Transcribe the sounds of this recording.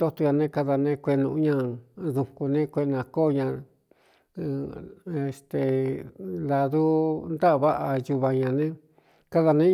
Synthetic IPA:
o˦t̪o˧ɲã˧nẽ˦ka˧ða˧nẽ˦kʷe˧nũ˧˦ɲã˧ðũ˧˨ku˧nẽ˦kʷe˧ʔnã˧ko˦˨˧ɲã˧ | e˧st̪e˧˨ | la˧ðu˦nd̪a˦˧βa˦ʔa˧ju˧βa˧ɲã˧nẽ˦ | ka˦ða˧nẽ˦

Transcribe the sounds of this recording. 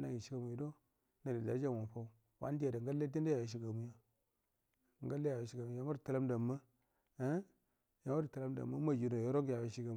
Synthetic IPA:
na˨ji˨ʃi˦ɡa˦mu˨i˨do˦ | na˨di˨da˨˦d͡ʒa˦˨wo˨fa˦u˦ | wa̰˦n˦de˨ɾe˨ŋɡa˦le˦di˦nda˦ja˨je˨ʃ̬i˦ɡa˨mu˦ja˦˨ | ŋ˨ɡa˦lːe˦ja˨je˨ʃi˦ɡa˨mu˨˦ja˦o˦˨ta˦la˦mda˨mə˦ | ja˨ŋ˦o˦i˨ta˨la˦mda̰˨mːa˦ma˦d͡ʒi˨no˨jo˦ɾo˦ŋɡja˨je˨ʃi˦ɡa˨m˨

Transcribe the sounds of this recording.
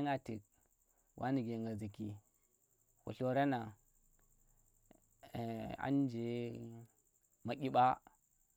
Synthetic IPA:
ŋa˨ti˨k̚ | wʔa˦ni˨ɡe˨ŋɡa˨zi˨ki˨ | kṵ˨ɬo˨ɾa˦na˨ | a̰˦n˦d͡ʒe˨ | ma˨kʲi˦ɓa˦

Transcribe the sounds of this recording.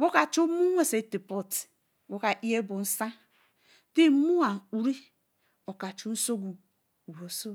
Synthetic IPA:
ɡo˦ka˨t͡ʃu˦mu˦ŋʷ˦e˦se˨˦ti˨po˦t | ɡo˦ka˨ʔi˦e˦bʊ˨n̩˦sa˦ | ti˦mu˦a˨u˨ɾi˦ | o˨ka˨t͡ʃu˦n̩˦so˦ɡu˨ | u˨wo˨so˦

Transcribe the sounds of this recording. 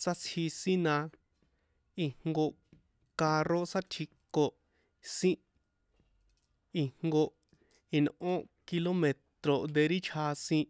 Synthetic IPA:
sa˦t͡sʰhi˧sĩ˦nã˧ | i˧ŋŋɡo˧ | ka˧ro˦sa˦t̪ʰi˧ko˨ | sĩ˦ | i˧ŋŋɡo˧ | i˧nʔõ˦ki˧lo˦mẽ˨t̪ɾo˨nd̪e˧ɾi˦t͡ʃʰa˧sĩ˧

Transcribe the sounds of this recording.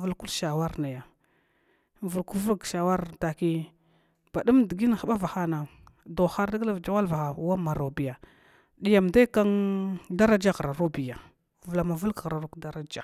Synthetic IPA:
vu˨lku˦lʃa˨wa˦ɾna˨ja˨ | vu˨lku˦vu˦ɡʃa˨wa˦ɾta˨ki˦ | b̥a˨du˦mdi˨ɡi˦n˨xa˨ɓa˦va˨xa˦na˨ | do˨xa˦ɾda˦ɡla˦vd͡ʒa˦wa˦lva˨xa˨wa˦ma˨ɾo˨bi˨ja˨ | ɗi˨ja˨mda˦ka˦nda˦ɾa˦d͡ʒa˦ɣɾa˨ɾu˦bi˨ja˨ | və˨la˨ma˨vu˦lka˨ɣɾa˨ɾu˦kda˦ɾa˦d͡ʒa˨

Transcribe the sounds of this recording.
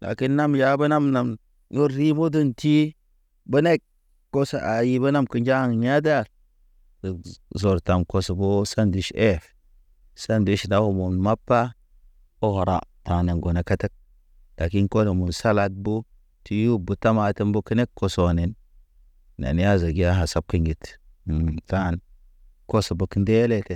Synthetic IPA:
la̰˨ki˦nːa˦mja˨˦bə˦na˦mna˨m | jo˦ɾi˦mo˦du˦nti˦ | bə˦ne˦k | kːo˦sa˨ʔa˨ji˦bə˦na˦mki˦nd͡ʒa˦˨ŋ˨ɲa˦da˦˨ɾ | zi˨zo˨ɾta˨mko˨so˨bo˦sa˦ndi˨ʃe˦˨f | sa˦ndi˦ʃda˨˦ho˨mu˨nma˦pːa˦ | o˦ho˨ɾa̰˨ta˨ne˨ŋɡo˨na˨ka˦te˦k̚ | la˨ki˦nko˦le˨mu˨nsa˦la˨d̚bu˦ | ti˨ju˦bu˨ta˦ma˨ti˦mbo˦ki˦ne˦kkːo˨so˨ni˨n | na̰˨n˦ja˦za˨ɡi˦a˦ɦa˨sa˦b̚ki˨ŋɡi˨t | ta˦˨n | ko˦so˨bo˨ki˦nde˦le˦te˨

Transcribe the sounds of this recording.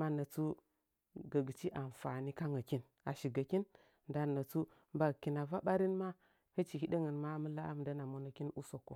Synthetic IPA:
ma˦nə˨t͡su˦ | ɡə˨ɡi˨t͡ʃi˦ʔa˨ɱ˨fa˨ni˦ka˦ŋa˨ki˦n | a˨ʃi˨ɡa˨ki˦n | nda˨nə˨t͡su˦ | mba˦˨ki˨na˨va˦ɓa˦ɾi˦nma˦ | hə˦t͡ʃi˨hi˦ɗə˦ŋə˨nma˦mə˦la˦a̰˦m˨da˦na˨mo˦no˨ki˦nu˦so˨kːo˨

